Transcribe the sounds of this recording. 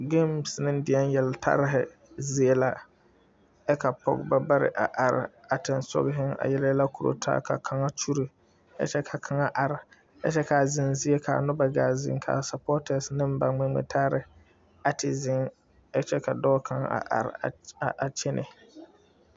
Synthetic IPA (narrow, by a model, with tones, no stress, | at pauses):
ɡe˦m˨snɪ˦ndɪ˨ɛ˦njɛ˨ltʰa̰˦ɾɪ˦ɦɪ̰˨ | zi˦e˦la˦ | ɛ˦ka˨pɔ̰˦˨ɡba˦ba˦ɾɪ̰˨ʔa˨ʔa˨ɾɪ̰˨a˨tɪ˨nsʊ̰˦ɡɪ˦ɦɪ˦ŋa̰˨jɛ˦lla˦kʰu˨ɾo̰˨tʰa̰ː˦kʰa̰˨kʰa˨ŋa˦t͡ʃu˦ɾi˨ | ɛ̰˦t͡ʃɛ˦kʰa˨kʰa˨ŋa˦ʔa˨ɾɪ˨ | ɛ̰˦t͡ʃɛ˦ka˨zɪ˨nzi˦e˦kʰa̰˨nʊ˦ba˨ɡaː˨zɪ̰˨ŋkʰa̰˨sa˨pɔ˦tɛ˨snɪ˦m˦ba˨mɪ˦ŋ͡mḛ˨tʰa˦ɾɪ˨ | a˨tʰɪ˨zɪ˦ŋ | ɛ˦t͡ʃɛ˦ka˨dɔː˦kʰa˨ŋa˦a̰˨ʔa̰˨ɾʔa˨t͡ʃɛ˦nʔɪ˨